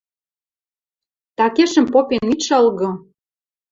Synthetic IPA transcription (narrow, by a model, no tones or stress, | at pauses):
t̪ɑkeʃə̆mpopeniʃɤlɣɤ̆